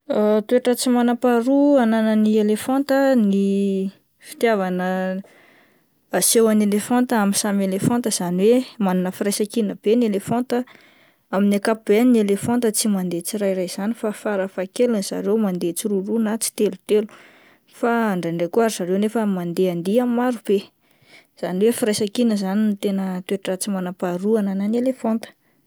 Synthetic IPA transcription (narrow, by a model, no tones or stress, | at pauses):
t̪ueʈ͡ʂət͡simanapaɾuananənielefont̪əni | fi̥t̪javanə | asewanelefɔnt̪amisamelefɔ̃nt̪əz̥aniwemananəfirajsakinəb̥enielefont̪ə | aminakapubennielefont̪ət͡simand̪et͡siɾajrajz̥anifafaɾafakelanz̥a̰ɾewmand̪et͡siɾurunat͡si̥t̪elu̥t̪elu̥ | faaɳɖ͡ʐaɳɖ͡ʐekuaɾizaɾewnefəmand̪eand̪iamːaɾub̥e | z̥aniwefiɾajsakinəzaninit̪enət̪weʈ͡ʂat͡simanapaɾuanananelefɔnt̪ə̥